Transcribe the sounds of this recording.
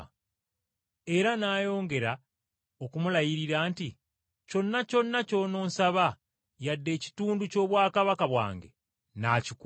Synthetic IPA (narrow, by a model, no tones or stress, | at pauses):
e̞ɾanaːjo̞ːŋɡe̞ɾa | okumulajiɾiɾaːnti | co̞nːaco̞nːaco̞no̞ːnsaβa | jadːe̞ːci̥tuːnduco̞ːβwaːkaβakaβwa̰ːŋɡḛ | naːcik